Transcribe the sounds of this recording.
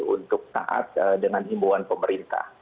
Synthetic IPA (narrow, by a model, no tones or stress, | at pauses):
unt̪ʊk̚t̪a̰ʔa̰t̪̚dəŋanimbuanpəməɾint̪a̰h